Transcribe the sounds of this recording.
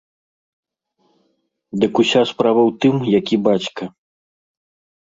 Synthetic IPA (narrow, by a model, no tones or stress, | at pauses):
d̪ɨkusʲaspɾavɐwt̪ɨmjakʲibat͡ɕkɐ